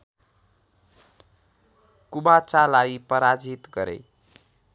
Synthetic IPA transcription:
kubat͡salaipʌɾad͡zit̪ɡʌɾḛj

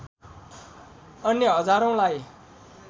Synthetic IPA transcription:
ʌnjʌɦʌd͡zaɾõlaj

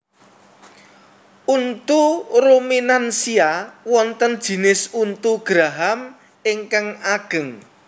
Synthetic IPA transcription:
ʔunt̪urominansiawɔnt̪ənd̥ʒ̥i̤nɪsunt̪uɡ̥ɾaɦam | ɪŋkaŋaɡ̥ə̤ŋ

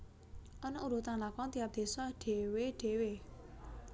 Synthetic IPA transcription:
ʔɔnɔʔuɾut̪aŋlakɔŋt̪ijap̚d̪̥e̤sɔɖ̥e̤weɖ̥e̤we

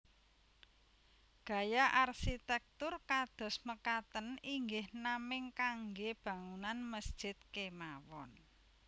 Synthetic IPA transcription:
ɡ̥a̤jaʔarsit̪ɛk̚t̪ʊrkad̪̥ɔ̤sməkat̪əniŋɡɪhnamɪŋkaŋɡeb̥ä̤ŋunanməsd̥ʒ̥ɪ̤t̪̚kemawɔ̰n

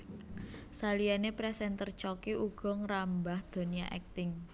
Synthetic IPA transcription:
salianepɾɛsɛnt̪ərt͡ʃɔkiʔuɡ̥ɔ̤ŋɾambahd̪̥o̤nija̰ʔɛ̰k̚t̪ɪŋ

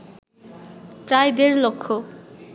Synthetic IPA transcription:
pɾajd̪eɾlokʰːo

